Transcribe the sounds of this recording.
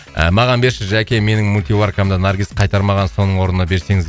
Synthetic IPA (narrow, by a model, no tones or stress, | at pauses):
ə̰mɑʁɑnbe̞ɾʃɪʒækʲeme̞nɪŋmulʲt̪ivarkamd̪ənarɡʲisqʰɑjt̪ɑɾmɑʁɑnso̞nəɴwo̞ɾənənɑbe̞ɾse̞ŋɪz